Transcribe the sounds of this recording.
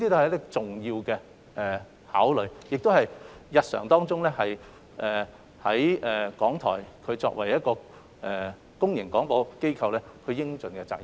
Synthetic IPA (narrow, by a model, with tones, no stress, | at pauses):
i˥iː˥t̪o˧hɛ˨jt̪ɪ˥k̚t͡sʊ˨ŋjiː˧wkɛː˧ | ʔɛ˨ | haː˨˥wlɵ˨˧ɥjɪ˨k̚t̪o˥whɐ˨jjɐ˨t̚sœ̰ː˨˩ŋt̪ɔː˥ŋt͡sʊ˥ŋlɛː˥hɐ˨j | ʔɛː˨˩ | hɐ˨˥jɛː˨kɔː˨˥ŋt̪ʰɔ̰ː˨˩jkʰɵ˨˧ɥt͡sɔ̰ː˧k̚wɐ˨˩jɐ˥t̚kɔː˧ | ʔɛ˨ | kʊ˥ŋjɪ˨˩ŋkɔː˨˥ŋpɔː˨˧ke˥jkʰɐ˧wlɛː˥kʰɵ˨˧ɥjɪ˥ŋt͡sɵ˨nkɛ˧t͡sa̰ː˧k̚jɐ˨